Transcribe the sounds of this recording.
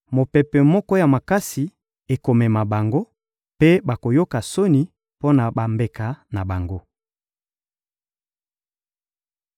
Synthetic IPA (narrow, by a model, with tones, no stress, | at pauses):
mo˨pɛ˨pɛ˨mɔ˦kɔ˦ja˨ma˨ka˦si˨ | e˨ko˨mɛ˨ma˨ba˨ŋɡo˦ | pe˦ba˨ko˨jo˦ka˨so˦ni˨ | po˦na˨ba˨mbe˨ka˨na˨ba˨ŋɡo˦